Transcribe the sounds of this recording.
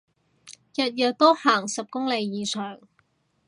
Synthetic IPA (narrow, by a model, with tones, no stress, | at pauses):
jɐ˨t̚jɐ˨˩tt̪o˥haː˨˩ŋsɐ˨p̚kʊ˥ŋle˨˧jːiː˨sʰœː˨˩ŋ